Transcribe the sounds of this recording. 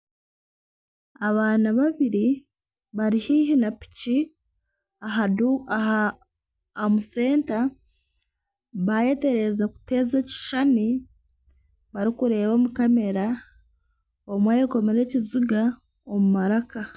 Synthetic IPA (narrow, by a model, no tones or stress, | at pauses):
aβaːnaβaβiɾi | βaɾihiːɦinapi̥ci | aɦau | muse̞ːnta | βaje̞te̞ɾe̞zaku̥te̞ːzeci̥ʃani | βaɾikuɾe̞ːβo̞ːmukame̞ɾa | omwajeko̞meɾe̞ːciziɡa | omumaɾaka